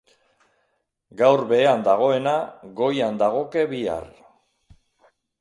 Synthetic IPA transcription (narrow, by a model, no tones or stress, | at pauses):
ɡawɾbe̞and̪aɣ̞o̞e̞naɡo̞jand̪aɣ̞o̞ke̞βia̰r